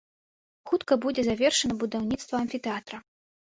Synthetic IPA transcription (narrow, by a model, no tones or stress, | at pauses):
xut̪kɐbud͡zʲɛzavʲɛrʂɐnɐbud̪awnʲit̪st̪vɐɐnʲfʲit̪ɛat̪ɾɐ